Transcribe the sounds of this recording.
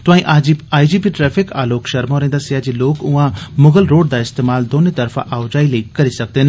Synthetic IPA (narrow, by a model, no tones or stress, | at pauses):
t̪ʊãĩʔaaːid͡ʒiːpiʈɾɛːpʰɪka̰ːloːkʃɐɾmoɾẽːnd̪asɪaːd͡ʒiloːkʊãmʊɡəlɾoːɖd̪aɪst̪eːmaːld̪oːnet̪ɐɾfʰã̰ʔaːʊd͡ʒaːilɐikɐɾisɐk̚d̪en